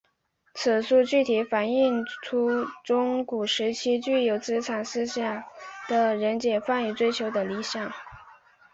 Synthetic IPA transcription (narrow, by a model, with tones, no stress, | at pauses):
t͡sʰɹ̩˨˩su˥˧t͡ɕy˥˩t̪ʰi˧˥fa˨˩ni˥˩ŋʈ͡ʂʰu˥ʈ͡ʂʊ˥ŋku˨˩ʂɻ̩˧˥t͡ɕʰi˥t͡ɕy˥˩jo˧˥ʊt͡sɹ̩˥t͡sʰa˨˩nsɹ̩˥˧ɕjɑ˨˩ŋd̪̥ə˨ɻə˧˥nt͡ɕjɛ˨˩fa˥˩ny˨˧˩t͡swe˥ɪt͡ɕʰjo˧˥ʊd̪ə˧li˧˥ɕjɑ˨˩˦ŋ